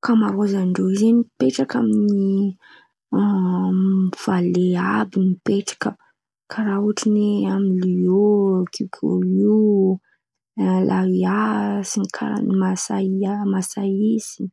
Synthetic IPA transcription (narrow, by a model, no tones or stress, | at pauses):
kamaɾozaɳɖ͡ʐoizenipeʈ͡ʂakamini | v̥aleabimipeʈ͡ʂḁkə | kʰaɾauʈ͡ʂineamiliokʰikʰo̰ii | lʔaiasinikʰa̰ɾa̰masaiamasaisi̥